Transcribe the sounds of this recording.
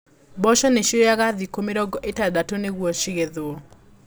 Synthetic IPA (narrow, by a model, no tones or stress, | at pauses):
bɔʃɔneʃojaɡaðikomeɾɔɡɔʔetadatoneɡwoʃiɡeðʊ